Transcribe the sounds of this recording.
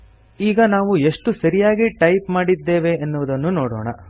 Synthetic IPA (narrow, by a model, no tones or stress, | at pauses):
iːɡɐnaːʋue̞ʂʈusɐɾijaːɡiʈɐjpmaːɽid̪ːe̞ːʋe̞ːnːuʋud̪ɐnːunoːɽo̰ːɳɐ